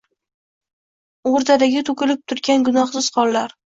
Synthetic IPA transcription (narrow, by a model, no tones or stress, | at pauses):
oɾd̪ad̪aɡʲɪt̪ʰʊkʲɪlɪp̚t̪ʰʊɾɡʲanɡʊnɒχsɪzqʰɒlːaɾ